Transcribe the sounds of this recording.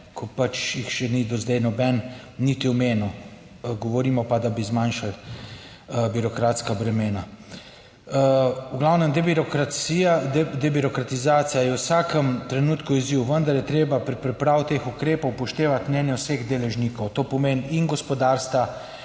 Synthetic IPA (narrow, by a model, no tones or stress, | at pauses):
kʰɔpat͡ʃjixʃɛnid̪ozd̪ɛjnɔbɛnː | it̪iɔmeːnu | ɡɔʋɔɾiːmɔpad̪abizmanʃal | biɾɔkɾaːt̪skabɾɛmeːna | wɡlawnɛmd̪ɾkɾaiad̪ɛbiɾɔkɾat̪izaːt̪sijajɛwsaːkəmt̪ɾɛnuːt̪kuiziwʋənd̪aɾjɛt̪ɾeːbapɾpɾɛpɾaːwt̪eːxukɾeːpɔwpɔʃt̪eːʋat̪mnɛːnjɛwseɣd̪elɛʒniːkɔwt̪oːpɔmeːninɡɔspɔd̪aːɾst̪ʋa